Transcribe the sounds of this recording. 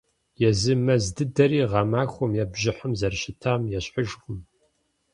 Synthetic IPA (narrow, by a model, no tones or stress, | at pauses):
jɛzɨmɐzdɨdɐɾiːʁɑmaːxʷɔmjɛbʑɪħəmzɐrɕɪtʰaːmjɛɕħəʒxʷʼʊm